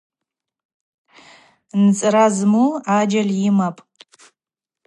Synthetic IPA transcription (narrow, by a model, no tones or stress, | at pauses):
nt͡sʼɨɾazmuad͡ʒaljɪmapʼ